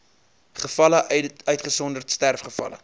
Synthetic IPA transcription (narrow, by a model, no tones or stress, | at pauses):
χəfɐləœɥtχəsɔndərtstærfχəfɐ̰lə̰